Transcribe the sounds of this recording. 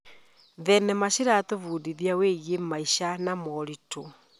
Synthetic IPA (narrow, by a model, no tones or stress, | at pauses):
ðɛnɛmaɕiɾatovuːdiðiaweɣemaiɕanamɔɾitʰo